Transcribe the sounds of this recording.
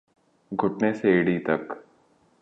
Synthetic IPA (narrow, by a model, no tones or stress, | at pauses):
ɡʱʊʈneseːɽit̪ɐk